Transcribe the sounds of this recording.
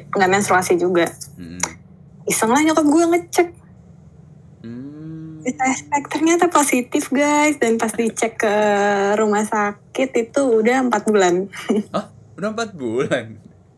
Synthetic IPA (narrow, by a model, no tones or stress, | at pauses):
əŋɡamansɾuasid͡ʒuɡa | isəŋlat͡ʃokɔp̚ɡuɛŋət͡ʃək̚ | isaspɛk̚t̪ərɲat̪aposit̪ɪfɡajsdanpasdit͡ʃɛkːəɾumahsakɪt̪it̪uːdahəmpat̪̚bulanɔhudampat̪̚bulan